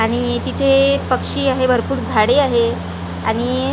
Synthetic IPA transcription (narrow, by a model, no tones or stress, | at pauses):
aɽ̃it̪it̪ʰepəkʂiːaɦebʱəɾpuːɾd͡zʱaɽeaɦe | aɽ̃i